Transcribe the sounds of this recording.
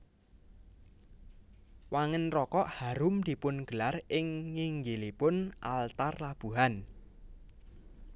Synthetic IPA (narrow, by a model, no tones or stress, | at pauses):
waŋənrɔkɔʔhaɾʊmd̪̥i̤pʊnɡ̥əlarɪŋːiŋɡelipʊnʔalt̪arlab̥ṳɦan